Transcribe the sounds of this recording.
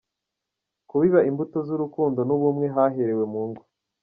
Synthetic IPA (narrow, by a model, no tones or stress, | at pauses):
kuβiβaimbuto̞zuɾukuːndo̞nuβumŋe̞ɦaɦeɾe̞we̞muːŋɡa